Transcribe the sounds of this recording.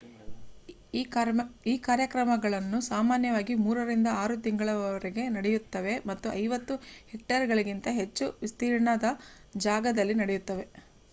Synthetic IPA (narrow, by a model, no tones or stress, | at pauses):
iːkaːɾjɐkɾɐmɐɡɐɭɐnːusaːmaːnjɐʋaːɡimuːɾɐɾind̪ɐaːɾut̪iŋɡɐɭɐʋɐʋɐɾiɡe̞nɐɽejut̪ːɐʋe̞mɐt̪ːuɐjʋɐt̪ːuhek̚ʈɐɾɡɐɭiɡint̪ɐɦe̞t͡ʃːuʋist̪iːɾɳɐd̪ɐ | d͡ʒaːɡɐd̪ɐlːinɐɽejut̪ːɐʋe̞